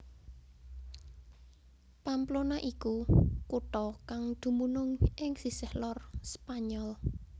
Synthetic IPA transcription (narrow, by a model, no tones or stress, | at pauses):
pamplonaʔikukuʈɔkaŋd̪̥ṳmunʊŋʔɪŋsisɛhlɔrspaɲɔl